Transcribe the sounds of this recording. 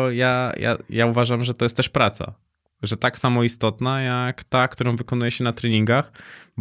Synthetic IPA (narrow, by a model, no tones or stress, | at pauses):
jaja̰jauvaʐamʐɛt̪ɔjɛst̪ːɛʂpɾat̪sa̰ | ʐɛt̪aksamɔist̪ɔt̪najakt̪akt̪uɾɔ̃w̃vɘkɔnujɛɕɛnat̪ɾɛɲiŋɡaxb